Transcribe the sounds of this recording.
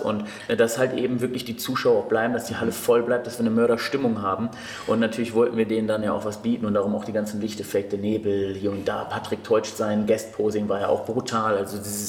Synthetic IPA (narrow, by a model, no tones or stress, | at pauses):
ʔʊ̰nt | d̥ashaltʔeːbm̩vɪɐklɪçd̥iːt͡suːʃaʊɐb̥laɪbm̩dasd̥iːhaləfɔlblaɪp̚td̥asv̥iːɐnəmœɐɾɐʃtɪmʊŋɦaːbm̩ | ʔʊntnatʰyːɐlɪçv̥ɔltn̩viːɐdeːnndanjaa̰ʊxvasb̥iːtn̩ʊntd̥aʁʊmaʊxd̥iːɡant͡sn̩lɪçtəfɛːk̚td̥ɛɐneːbl̩hiːɐʊntd̥aːpʰatʁ̥ɪk̚tʰɔʏt͡ʃtz̥aɪnɡɛst̚pʰoːzɪŋvaːɐja̰ʔa̰ʊxb̥ʁutʰaːlʔalzodiːzəs